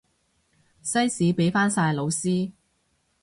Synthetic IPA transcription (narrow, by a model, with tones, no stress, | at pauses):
sɐ˥jsiː˨˥pe˨˥jfaː˥nsaː˧jlo˨˧wsiː˥